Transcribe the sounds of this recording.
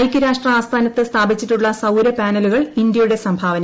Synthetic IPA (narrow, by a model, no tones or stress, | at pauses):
jkʲːɨɾaːʂʈrɐaːst̪ʰaːnɐt̪ːɨst̪ʰaːbit͡ɕːiʈːuɭːɐsɐwɾɐpaːnɐluɣɐɭind̪jɐjuɽe̞sɐmbʱaːʋɐnɐ